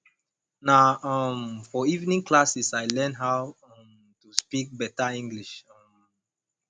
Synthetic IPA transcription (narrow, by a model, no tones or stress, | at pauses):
naʌmfɔivnĩŋkʰlasisaɪlɛ̃nɦaʊ | ʌm | tuspik̚bɛtaĩŋɡliʃʌm